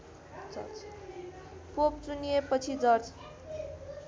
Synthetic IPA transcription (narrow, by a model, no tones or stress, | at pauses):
d͡zʌ̰t͡s | pop̚t͡suniepʌt͡sʰid͡zʌrt͡sʰ